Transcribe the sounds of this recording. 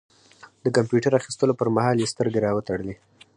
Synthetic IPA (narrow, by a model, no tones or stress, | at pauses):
d̪əkampjuʈaɾaxist̪əlopəɾmahɑljest̪əɾɡeɾɑwət̪aɽəle